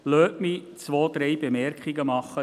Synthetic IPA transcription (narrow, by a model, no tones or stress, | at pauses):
lœːʔmit͡sʋoːd̪ɾɛjbemɛɾkχiɡəmɑχːə